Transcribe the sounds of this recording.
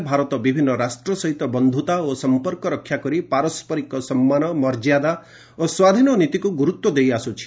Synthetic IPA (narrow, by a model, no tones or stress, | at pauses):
bʱaɾɔt̪ɔbibʱinːɔɾasʈɾɔsɔɦit̪ɔbɔnd̪ʱut̪aosɔmpɔɾkɔɾɔkʰːjakɔɾipaɾɔspɔɾikɔsɔmːanɔmɔɾd͡ʒjad̪a | oswad̪ʱinɔnit̪ikuɡuɾut̪wɔd̪ejasut͡ʃʰi̥